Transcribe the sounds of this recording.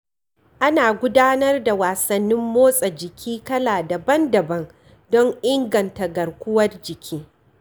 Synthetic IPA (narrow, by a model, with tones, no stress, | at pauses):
ʔa˦naː˨ɡʷʊ˦daː˦nɐ˦rda˨waː˨sɐ˨nːɪ˦mːoː˦sʼɐ˨d͡ʒɪ˨kʲʰiː˦kɐ˦laː˨dɐ˨bɐ˦ndɐ˨bɐ˦n | dɔ˦ŋʔɪ˦ŋɡɐ˨nta˨ɡɐ˨rkʷʊ˦wɐ˦rd͡ʒɪ˨kʲʰiː˦